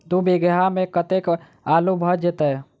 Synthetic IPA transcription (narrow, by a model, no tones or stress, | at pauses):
d̪ubeɡɦamẽkət̪ek | alubʱəd͡ʒet̪ə